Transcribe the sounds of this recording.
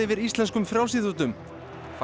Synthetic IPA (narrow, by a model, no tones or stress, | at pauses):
ɪvɪðist̪lɛnskʏmfɾjawsiðut̪ʏm | fa